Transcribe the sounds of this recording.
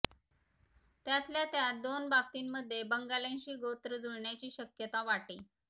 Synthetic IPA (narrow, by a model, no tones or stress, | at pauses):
t̪jat̪ljat̪jad̪onbab̚t̪iːnmːəd̪ʱːjebəŋɡalẽnt͡ɕiːɡot̪ɾəd͡zuɽɳjat͡ɕiːɕəkjət̪aʋaʈiː